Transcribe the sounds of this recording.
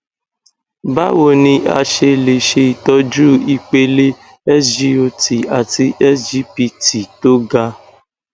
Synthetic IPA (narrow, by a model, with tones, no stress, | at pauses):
ba̰˦wo˨nĩ˧a̰˧ʃe˧le˨ʃe˧i˨tɔ˦d͡ʒu˦i˧k͡pe˧le˦ | ɛ˦d͡ʒi˦o˧ti˨a˨ti˧ʔɛ˦d͡ʒi˦pi˧ti˨to˦ɡa˧